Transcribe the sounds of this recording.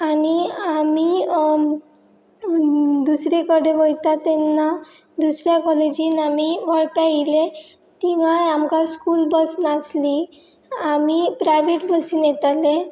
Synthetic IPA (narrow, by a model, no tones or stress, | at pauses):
aniami | d̪usɾekəɽeʋəjt̪at̪ːenːa | d̪usɾjakɔled͡ʑiːnamiʋəɭʈaile | t̪iŋãjamkãskuːlbəsnasli | amipɾajʋeʈbʱəsinjet̪ale